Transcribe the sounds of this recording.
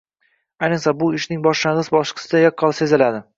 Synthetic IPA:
ajnɨsabʊɪʃnɪŋbɒʃlaɴʁɨsbɒʃqʰɨ̥sɪd̪ajɒqʰːɒlˠse̞zɪlad̪ɪ

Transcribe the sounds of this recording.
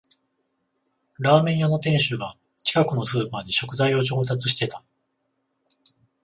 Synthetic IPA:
ɾaːmẽ̞ɰ̃jano̞t̪ẽ̞ɰ̃ɕɨɡa | t͡ɕi̥kakɯ̟no̞sɨːpaːd̪e̞ɕo̞kɯ̟zaijo̞t͡ɕo̞ːt̪at͡sɨ̥ɕ̬i̥t̪e̞t̪ḁ

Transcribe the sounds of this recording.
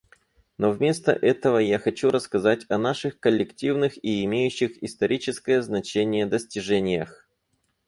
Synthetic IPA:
novmʲe̞st̪ə̰ʔɛt̪əvəjaxɐt͡ɕuɾəskɐzatʲɐnaʂɨxkəlʲːɪktʲivnɨxiɪmʲejʉɕːɪxɪst̪ɐɾʲit͡ɕɪskəjəznɐt͡ɕenʲɪjəd̪əsʲtʲɪʐɛnʲɪjəx

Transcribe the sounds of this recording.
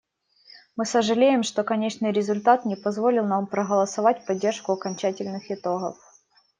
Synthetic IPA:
mɨsəʐɨlʲejɪmʂt̪o̞kɐnʲet͡ɕnɨjɾʲɪzʊlʲt̪at̪nʲɪpɐzvo̞lʲɪlˠnampɾəɣəlˠɐsɐvatʲpɐdʲːerʂkʊɐkɐnʲt͡ɕætʲɪlʲnɨxɪt̪o̞ɣə̰f

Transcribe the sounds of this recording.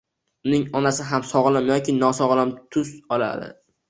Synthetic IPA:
ʊnɪŋɒnasɪɦamsɒʁlˠamjɒkʲɪnɒsɒʁlˠamt̪ʰʊzɒla̰d̪ɪ̰

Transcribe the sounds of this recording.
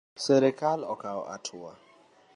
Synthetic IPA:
sɛɾɛkʰalɔkʰaw̰ʔa̰tʰua̰

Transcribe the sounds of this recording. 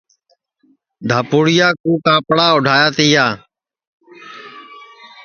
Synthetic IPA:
d̪ʱaːpuːɽɪjaːkuːkãːpɽaːʊɖʱaːjaːt̪iːjaː

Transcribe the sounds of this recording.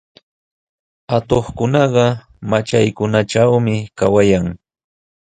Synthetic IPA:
at̪oχkʊnɑɢɑ | mat͡ʃajkʊnaʈ͡ʂawmɪkawajaŋ

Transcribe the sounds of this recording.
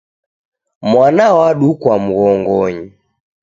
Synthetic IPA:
mwanawaɗukwamuɣɔŋɡɔɲi

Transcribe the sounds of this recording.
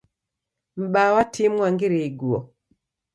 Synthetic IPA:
m̩ɓawatʰimwaŋɡiɾeiɡuɔ

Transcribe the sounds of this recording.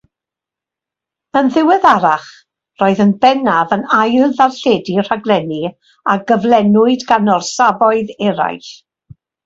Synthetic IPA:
ənðɪwɛðaɾaχ | roːɨðənbɛnavənajlˠðarɬɛːdir̥aɡlˠɛni | aɡəvlˠɛnʊɨdɡanɔrsavɔɨðɛɾa̰jɬ

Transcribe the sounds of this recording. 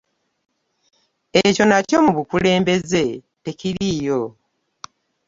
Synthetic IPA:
e̞co̞naco̞muβukule̞ːmbe̞ze̞ | te̞ciɾiːjo̞

